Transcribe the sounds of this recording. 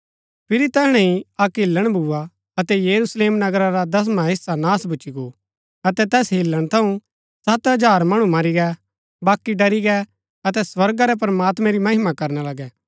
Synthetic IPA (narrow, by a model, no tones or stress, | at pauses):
pʰɪɾit̪ɛɦɽ̃ɛ̃ɦĩɐkɦɪlːəɽ̃bʱʊa | ɐt̪ɛjɐɾusleːmnɐɡɾaɾad̪ɐs̬maɦɪsanaːsbʱʊt͡ʃiɡo | ɐt̪ɛt̪ɛːsɦɪlːəɽ̃t̪ʰɐũ | sɐt̪ɦɐd͡ʒaːɾmɐɽ̃ũmɐɾiɡɛ | baːkːiɖɐɾiɡɛ | ɐt̪ɛswɐɾɡaɾɛp̬ɾɐmaːt̪mɛ̃ɾimɐɦɪmakɐɾnalɐɡɛː